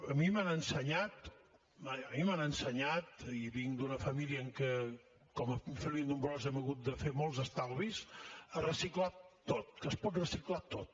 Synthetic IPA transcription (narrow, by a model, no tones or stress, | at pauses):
əmimanənsəɲat̪ | maəmimanənsəɲat̪̚iβiŋd̪unəfəmiliəːŋkə | kɔməfilˠind̪umbɾɔzɛməɣut̪̚d̪əfemɔlˠzəst̪alˠβizərəsiklat̪ot̪̚kəspɔt̪rəsiklat̪ot̪̚